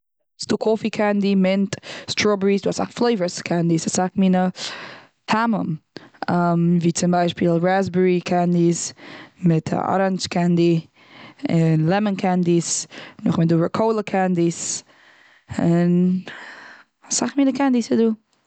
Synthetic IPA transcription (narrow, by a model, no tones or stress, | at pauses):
sd̥uːkʰɔfikʰandimɪntstɹɔbəɹisduːasa̰kflˠeɪvəskʰandisasakmiːnə | tʰamə̰mamviːt͡sɪmbaɪʃpilˠɹazbəɹikʰandismɪtʰɔ̰ɾanskʰandi | ɪnlɛmənkʰandisnʊχmɪtduːəkʰoʊlˠəkʰandis | ɪn | asaχmiːnəkʰandisəduː